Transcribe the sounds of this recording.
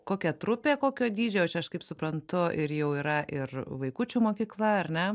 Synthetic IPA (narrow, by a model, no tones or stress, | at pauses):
koːkʲɛt̪ɾʊpʲeːkoːkʲoːd̪ʲiːd͡ʒʲoːot͡ʃʲɛɐʃkɐɪpsʊpɾɐnt̪ʊʔɪɾjɛʊiːɾɐʔɪrʋɐɪkuːt͡ʃʲuːmoːkʲiːklˠɐɐrnʲɛ